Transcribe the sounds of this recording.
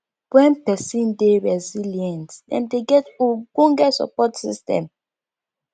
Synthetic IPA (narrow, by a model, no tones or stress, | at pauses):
bwɛ̃npɛsĩndeɹɛziljɛ̃ntɛ̰̃ndeɡɛtuɡũŋɡɛsɔ̰pɔtsḭstɛ̰̃m